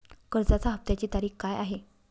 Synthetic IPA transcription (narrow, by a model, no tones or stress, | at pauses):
kəɾd͡zat͡saɦəp̚t̪jat͡ɕiːt̪aɾiːxkajaɦe